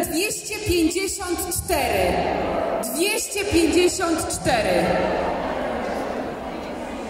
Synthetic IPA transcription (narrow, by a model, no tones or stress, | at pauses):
d̪vʲjɛɕt͡ɕɛpʲjeɲd͡ʑeɕɔnt̪t͡ʂt̪ɛɾɪ | d̪vʲjɛɕt͡ɕɛpʲjeɲd͡ʑeɕɔnt̪t͡ʂt̪ɛɾɘ